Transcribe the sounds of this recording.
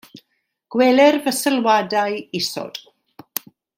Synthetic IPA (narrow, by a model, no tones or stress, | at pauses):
ɡ̥wɛlɛrvəsəlwadajɪsɔ̰d̥